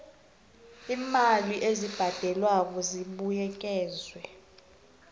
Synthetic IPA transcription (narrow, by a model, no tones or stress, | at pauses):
iːmaliʔezib̥ʱad̥ʱɛlwakɔziɓujɛk̬ʼɛːzwɛ